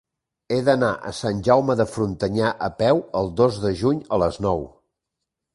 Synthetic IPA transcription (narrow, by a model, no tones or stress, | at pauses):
eðənaʔə̰sanʲʒawməðəfɾunt̪əɲaʔəpɛwəlˠd̪ozðəʒuɲələznɔw